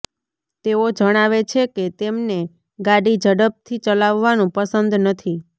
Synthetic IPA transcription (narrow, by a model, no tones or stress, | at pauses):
t̪eod͡ʒəɽ̃aʋet͡ʃʰeket̪emne | ɡaɽid͡ʒəɽəp̚t̪ʰit͡ʃəlaʋːanũpəsənd̪nət̪ʰi